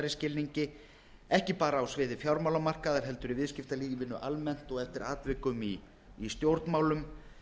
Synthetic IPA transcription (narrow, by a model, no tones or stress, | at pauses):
ɾɪscɪlniɲcɪ | ɛhcɪpaːɾaːwsvɪːðɪfjawɾmawlamar̥kaðaɾ̥ɦɛl̪t̪ʏɾivɪðscɪft̪aliːjɪvɪnːʏʔalmɛn̥t̪ɔɣɛft̪ɪɾaːt̪vɪkʏmiː | st̪jowɾt̪nmaːwlʏm